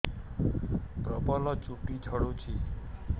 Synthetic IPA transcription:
pɾəbalɔt͡ʃuʈit͡ʃʰəɽot͡ʃʰi

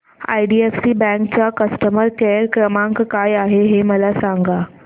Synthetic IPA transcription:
a̰jɖiefsiːbɛ̃ŋkt͡ɕakəsʈəməɾkeɾkɾəmãŋkkajaɦeɦeməlasaŋɡa

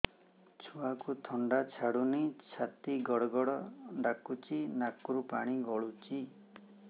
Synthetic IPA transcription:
t͡ʃʰuakut̪ʰɔɳɖat͡ʃʰaɽunit͡ʃʰat̪iɡɔɽɔɡɔɽɔɖakut͡ʃinakuɾupa̰ɽ̃iɡɔɭut͡ʃi

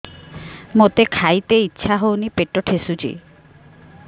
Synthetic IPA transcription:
mot̪ekʰajt̪eitːʃʰaɦownipeʈɔʈʰesut͡ʃʰḭ

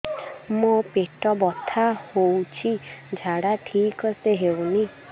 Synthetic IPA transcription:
mopeʈɔbɔt̪ʰahowt͡ʃʰid͡ʒʱaɽaʈʰikɔseɦewni

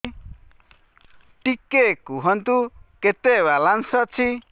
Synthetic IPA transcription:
ʈikekuɦʌnt̪uket̪ewalansʌt͡sʰi

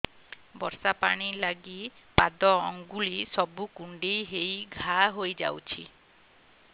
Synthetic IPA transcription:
bɔɾsapaɽ̃ilaɡi | pad̪ɔɔŋɡulisɔbukuɳɖejɦejɡʱaɦojd͡ʒa̰wt͡ʃʰi

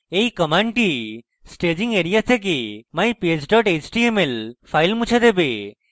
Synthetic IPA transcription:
ejkəmaɳʈi | sʈed͡ʑiŋɡeɾijat̪ʰek̬emaj̃pied͡ʑɖɔʈet͡ʃʈiemelpʰajlmut͡ʃʰed̪ebe

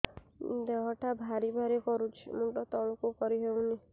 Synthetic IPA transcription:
d̪eɦɔʈʰabʱaɾibʱaɾikɔɾut͡ʃʰḭmuʈɔt̪ɔɭɔkukɔɾiɦewũni

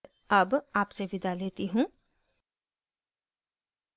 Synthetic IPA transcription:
ɐbaːpseʋɪd̪ʱaleːt̪iɦũː

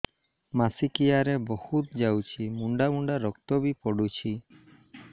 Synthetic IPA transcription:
masikijaɾebɔhut̪̚d͡ʒawt͡ʃʰimuɳɖamuɳɖaɾɔk̚t̪ɔbipɔɽut͡ʃʰi

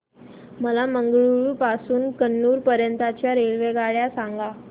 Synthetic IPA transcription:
məlaməŋɡɭuɭpasuːnkənːuːɾpəɾjənt̪at͡ɕjaɾeɭʋeɡaɭjasaŋɡa

